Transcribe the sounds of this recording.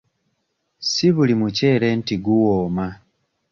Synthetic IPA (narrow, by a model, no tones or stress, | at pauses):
siβulimuce̞ːle̞ːntiɡuwoːma